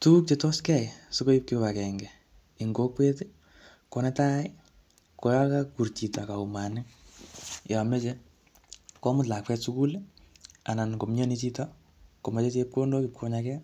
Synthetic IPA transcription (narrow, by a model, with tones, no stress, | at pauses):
tu˦k̚t͡ʃe˨to˦skɛ˦˨su˦ko˦ji˦ki˦o˨βa˨kɛ˨ŋɡɛ˨ | i˨ŋɡo˦kwe˦te˦ | ko˦nɛ˦ta˦i˦ | ko˨˦ja˦ka˦ku˨ɾt͡ʃi˨ta˨ka˨u˨ma˨nɪ˦ | ja˨me˦t͡ʃe˦ | ko˦mu˦tla˨kwɛ˦tsu˦ku˦lea˨na˨nko˨mɲo˦ni˦t͡ʃi˦ta˦ | ko˨me˦t͡ʃe˦te˦p̚ko˦ndo˦ki˨p̚kʰo˦ɲakɛ˦